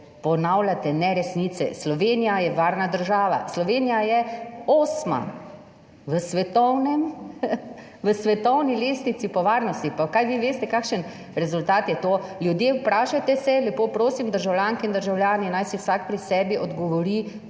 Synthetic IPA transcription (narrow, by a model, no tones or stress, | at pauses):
pɔnawlʲat̪ɛnɛɾɛsniːt̪sɛ̰slɔʋeːnijajɛʋaːɾnad̪əɾʒaːʋa̰slɔʋeːnijajɛoːsma̰ | ʋəsʋɛt̪ɔwnɛm | ʋəsʋɛt̪ɔwnileːsnisipɔʋaːɾnɔst̪ipakajʋiʋeːst̪ɛkaːkʃən | ɾɛzʊlt̪aːt̪jɛt̪oːljud̪jeːpɾaːʃat̪ɛsɛlɛpoːpɾoːsimd̪əɾʒawljaːŋkɛind̪əɾʒawljaːninajsiwsak̚pɾisɛːbiʔɔd̪ɡɔʋɔɾi